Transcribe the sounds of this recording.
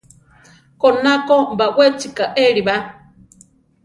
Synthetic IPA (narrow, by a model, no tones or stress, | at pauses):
kɔnakɔmbawʷet͡ʃikaʔeɾiβa